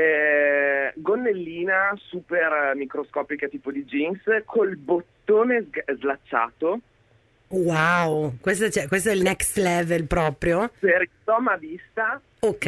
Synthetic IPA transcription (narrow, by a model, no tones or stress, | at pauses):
ɛ | ɡonːelːiːnasuːpermikɾoskɔːpikat̪iːpod̪id͡ʒinskʰolbot̪ːoːnezzlat͡ʃːa̰ːt̪o | wawkwest̪at͡ʃɛkwes̬t̪oɛlnɛkst̪lɛvelpɾɔːpɾjoseɾit̪ɔmaviːst̪a | okː